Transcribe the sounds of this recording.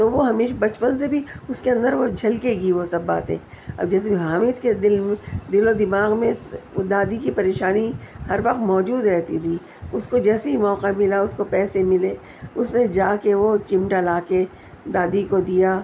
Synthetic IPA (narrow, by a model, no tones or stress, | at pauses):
t̪oʋoɦɐmeːʃabɐt͡ʃpənsebʱiʊskeɐ̃nd̪əɾʋod͡ʒʱɐlkeɡiʋosɐbːa̰ːt̪ɦḛ̃ː | ɐ̰bd͡ʒɛːs̬ebiɦaːmɪt̪ked̪ɪlmẽd̪ɪlod̪ɪmaːɣmẽsd̪aːd̪ikipɐɾeːʃaːnihɐɾʋɐqt̪mɔːd͡ʒuːd̪ɾɛɦt̪it̪ʰiː | ʊskod͡ʒɛːseimɔːqamɪlaʊskopɛːsemɪleː | ʊsmẽd͡ʒaːkeʋot͡ʃɪ̃mʈalaːke | d̪aːd̪ikod̪ijaː